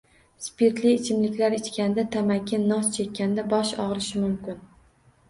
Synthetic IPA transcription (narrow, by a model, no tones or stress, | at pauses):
spʰeɾt̪lɪːt͡ʃʰɪmlɪkʲlaɾet͡ʃkʲanɪd̪at̪ʰamakʲʰːɪnːɒst͡ʃʰe̞kʲːanɪd̪abɒʃɒʁlɪʃɪmʊmkʲɪn